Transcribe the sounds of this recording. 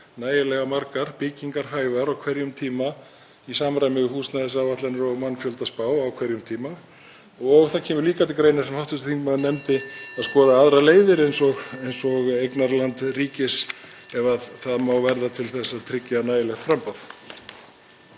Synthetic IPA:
naːjɪlɛɣamaɾkaɾ̥pɪciŋkaɾ̥ɦaːjvaɾawkʰv̥ɛɾjʏmt̪ʰiːma | isaːmɾajmɪɦuːsnaðɪsavat̪lɛnɾɔɣmanːfjœlt̪aspaːwawkʰvɛɾjʏmt̪ʰiːma | ɔɣθacʰɛːmʏɾliːkat̪ʰɪlkɾeːjnḁsɛmhawht̪ʏst̪θiŋkmaðnɛmt̪ɪaðskɔːðaaðɾaleːjðɪɾejnsɔɣejnsɔɣejknaɾlant̪riːcɪs | ɛvaðθaðmaːwvɛɾðat̪ʰɪlθɛsːat̪ʰɾɪcːanaːjɪlɛxt̪fɾampaθ

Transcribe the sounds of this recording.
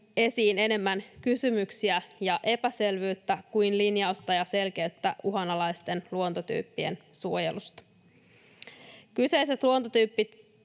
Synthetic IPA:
e̞siːne̞ne̞mːænkysymyksiæjɑʔe̞pæse̞lʋyːt̪ːækujnlinjɑust̪ɑjɑse̞lk̟e̞yt̪ːæ̰ʔuɦɑnɑlɑjst̪e̞nluo̞nt̪ot̪y̰ːpːie̞̰nsuo̞je̞̰lust̪ɑ̥ | kyse̞jse̞t̪luo̞nt̪ot̪yːpːit̪

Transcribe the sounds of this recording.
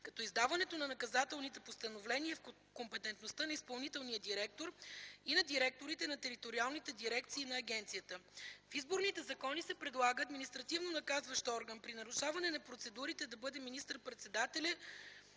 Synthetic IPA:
kɐt̪ɔizd̪avɐnɛt̪onɐnɐkɐzat̪ɛlˠnit̪ɛpost̪ənovlɛniɛf | kompɛt̪ɛnt̪nost̪ənɐispɐlˠnit̪ɛlˠnijəd̪iɾɛk̚t̪oɾinɐd̪iɾɛk̚t̪oɾit̪ɛnɐt̪ɛɾit̪oɾialˠnit̪ɛd̪iɾɛk̚t̪siːnɐːɡʲɛnt̪sijət̪əfizboɾnit̪ɛzɐkɔnisɛpɾɛd̪lˠaɡəːd̪minist̪ɾɐt̪ivnonɐkazvɐʃt̪ɔɾɡənpɾinɐɾuʃavɐnɛnɐpɾot̪sɛd̪uɾit̪ɛd̪ɐbɤd̪ɛminist̪əɾpɾɛt̪sɛd̪at̪ɛlʲɐ

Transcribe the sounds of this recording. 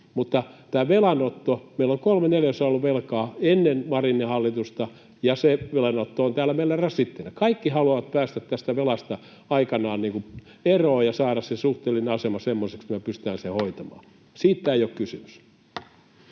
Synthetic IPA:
mut̪ːɑt̪æːʋelɑnot̪ːomeiloŋkolmeneljæsɑolːuʋʋelkɑːenːenmɑrinːihɑlːit̪ust̪ɑ | jɑseʋelɑnot̪ːoont̪æːlːˑæmeilːærɑsit̪ːenækɑikːihɑluɑʋɑt̪pæːst̪æt̪tæst̪æʋelɑst̪ɑ | ɑikɑnɑːnniːŋku | eroːjɑsɑːɾɑssesuht̪eːlːinɑsemɑsemːoseksmmæpyst̪æːnsehoit̪ɑmɑ̰ː | siːt̪t̪æːijokkysymys

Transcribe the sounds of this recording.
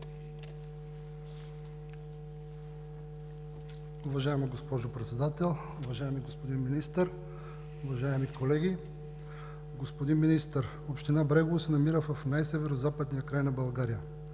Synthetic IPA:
ʊvɐʒaɛmiɡospɔʒopɾɛt̪sɛd̪at̪ɛlˠ | ʊvɐʒaɛmiɡospod̪inminist̪əɾ | ʊvɐʒaɛmikolɛɡʲi | ɡospod̪inminist̪əɾ | opʃt̪inabɾɛɡovosɛnɐmiɾəvɐfnajsɛvɛɾozapəd̪nijəkɾajnɐbɐlˠɡaɾijə

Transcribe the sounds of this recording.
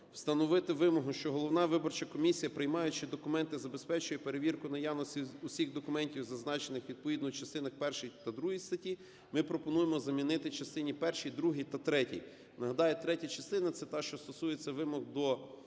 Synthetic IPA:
w̥st̪ɐnɔʋɪt̪ɪʋɪmɔɦʊʃt͡ʃɔɦɔlˠɔwnɑʋɪbɔrt͡ʃɐkɔmʲisʲijɐpɾɪjmɑjʊt͡ʃɪd̪ɔkʊmɛnt̪ɪzɐbespɛt͡ʃʊjɛpe̞ɾeʋʲirkʊnɐjɑwnɔsʲiʊsʲiɣd̪ɔkʊmɛnʲtʲiwzɐznɑt͡ʃenɪxʋʲid̪̚pɔʋʲid̪nʊwt͡ʃɐst̪ɪnɐxpɛrʃijt̪ɐd̪ɾuɦijst̪ɐtʲi | mɪpɾɔpɔnujemɔzɐmʲinɪt̪ɪt͡ʃɐst̪ɪnʲipɛrʃijd̪ɾuɦijt̪ɐt̪ɾɛtʲḭj | nɐɦɐd̪ɑjɛt̪ɾɛtʲɐt͡ʃɐst̪ɪnɐt̪sɛt̪ɑʃt͡ʃɔst̪ɔsujet͡sʲːɐʋɪmɔɣd̪ɔ

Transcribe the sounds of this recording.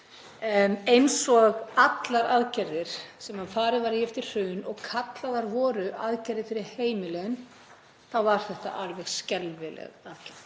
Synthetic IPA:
ejnsɔɣat̪laɾaðcɛɾðɪɾ̥sɛmaðfaːɾɪðvaɾiɛft̪ɪɾ̥r̥ʏːnɔɣkʰat̪laðaɾvɔːɾʏʔaðcɛɾðɪfɪɾɪɾ̥heːjmɪlɛɣʏn | θavaɾ̥θɛht̪a̰ʔaɾvɛɣscɛlvɪlɛ̰ɣaðcaɾð

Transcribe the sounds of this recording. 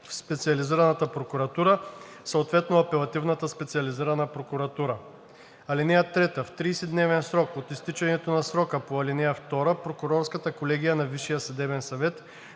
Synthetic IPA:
fspɛt̪siɐliziɾɐnɐt̪əpɾokuɾɐt̪uɾə | səot̪vɛt̪noɐpɛlˠɐt̪ivnɐt̪əspɛt̪siɐliziɾɐnəpɾokuɾɐt̪uɾə | ɐlinɛjət̪ɾɛt̪əft̪ɾiːsid̪nɛvɛnsɾɔkot̪ist̪it͡ʃɛnɛt̪onɐsɾɔkəpoɐlinɛjəft̪ɔɾəpɾokʊɾɔɾskət̪əkolɛɡ̟ijənɐviʃijəsɐd̪ɛbɛnsɐvɛt̪

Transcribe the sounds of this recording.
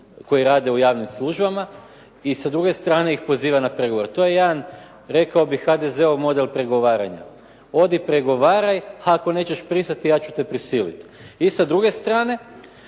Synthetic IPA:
ko̞jiɾaːd̪e̞ujaːʋnimslˠuʒbama | isad̪ɾuɡe̞st̪ɾaːneixpo̞ziːʋanapɾe̞ɡo̞ʋoɾt̪o̞je̞je̞d̪an | ɾe̞kaobixxad̪e̞ze̞omo̞d̪e̞lpɾe̞ɡo̞ʋaːɾa̰ɲa̰ | o̞d̪ipɾe̞ɡo̞ʋaːɾajhaːko̞ne̞ːt͡ɕeʃpɾisnat̪ijaːt͡ɕut̪e̞pɾisiːlḭt̪isad̪ɾuɡe̞st̪ɾaːne̞

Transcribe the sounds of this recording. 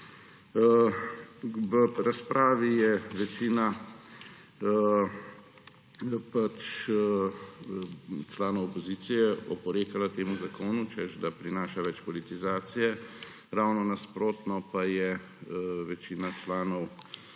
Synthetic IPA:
ʋəɾaspɾʔaːʋijɛʋɛt͡ʃiːna | pat͡ʃ | t͡ʃlaːnɔwɔpɔziːt̪sijɛɔ̰pɔɾeːkalat̪eːmuzakoːnut͡ʃɛʃd̪apɾinaːʃaʋɛt͡ʃpɔlit̪izaːt̪sijɛ | ɾawnɔnaspɾoːt̪nɔpajɛ | ʋɛt͡ʃiːnat͡ʃlaːnɔw

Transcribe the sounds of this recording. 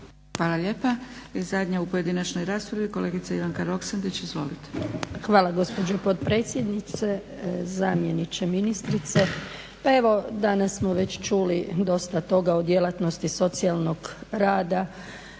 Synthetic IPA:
xʋaːlaʎe̞ːpaizad̪ɲaupo̞je̞d̪inat͡ʃno̞jɾaːspɾaʋiko̞le̞ːɡit̪saiʋaŋkaɾo̞ksand̪et͡ɕizʋo̞lit̪e̥xʋaːlˠaɡo̞spo̞d͡ʒopo̞t̪pɾe̞t̪sʲje̞d̪nit̪se̞ | zamje̞nit͡ʃe̞minist̪ɾit̪se̞ | pae̞ʋo̞d̪anasːmo̞ʋe̞t͡ɕt͡ʃuːlid̪o̞st̪at̪o̞ɡaod̪je̞lat̪no̞st̪iso̞t̪sialˠno̞ɡɾaːd̪a

